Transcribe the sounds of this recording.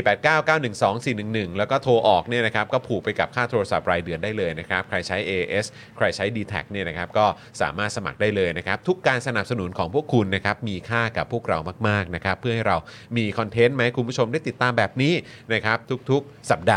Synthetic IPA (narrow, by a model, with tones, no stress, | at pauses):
i˨˩pɛː˨˩t̪̚kaː˥˩wkaː˥˩wnɯ˨˩ŋsɔː˩˦ŋsiː˨˩nɯ˨˩ŋnɯ˨˩ŋlɛː˦˥wkɔː˥˩t̪ʰoː˧ʔɔː˨˩k̚ni˥˩na˦˥kʰa˦˥p̚kɔː˥˩pʰuː˨˩k̚pa˧jka˨˩p̚kʰaː˥˩t̪ʰoː˧ɾa˧sa˨˩p̚ɾaː˧jdɯ˧əndaː˥˩jlɤː˧jna˦˥kʰa˦˥p̚kʰɾa˧jt͡ɕʰa˦˥jʔeː˧ʔe˦˥s | kʰɾa˧jt͡ɕʰa˦˥jdiː˧t̪ʰɛ̰˨˩k̚ni˥˩ɐna˦˥kʰa˦˥p̚kɔː˥˩ | sa̰ː˩˦maː˥˩t̪̚sa˧ma̰˨˩k̚daː˥˩jlɤː˧jna˦˥kʰa˦˥p̚t̪ʰu˦˥kːaː˧nsa˧na˨˩p̚sa˧nu˩˦nkʰɔː˩˦ŋpʰu˥˩əkʰːu˧nːa˦˥kʰa˦˥p̚miː˧kʰaː˥˩ka˨˩pʰːu˥˩ək̚ɾa̰˧wmaː˥˩k̚maː˥˩k̚na˦˥kʰa˦˥pʰːɯ˥˩ha˥˩jɾa˧w | miː˧kʰɔ˧nt̪ʰe˦˥nma˦˥jkʰu˧nmbu˦˥˩o˧mda˥˩jt̪i˨˩t̪ːaː˧mbɛː˨˩p̚niː˦˥ | na˦˥kʰɾa˦˥p̚t̪ʰu˦˥k̚t̪ʰu˦˥k̚sa˨˩p̚daː˧